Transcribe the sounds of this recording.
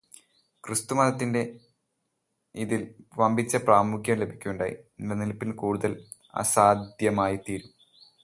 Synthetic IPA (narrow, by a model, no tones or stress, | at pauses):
krɨst̪umɐðɐt̪ːinde̞ | iðilʋɐmbʱit͡ɕːɐpraːmukjɐmle̞bʱikʲːuuɳɖaːjḭnɐnilpːinkuːɽuðɐl | ɐ̰saːd̪ʱjɐmaːjit̪iːɾum